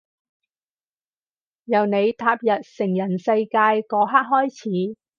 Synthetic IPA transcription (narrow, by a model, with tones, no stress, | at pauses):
jɐ˨˩wne˨˧jt̪ʰaː˧p̚jɐ˨t̚sɪ˨˩ŋjɐ˨˩nsɐ˧jkaː˧jkɔː˨˧˥ɦaː˥k̚ɦɔː˥jt͡sʰiː˨˥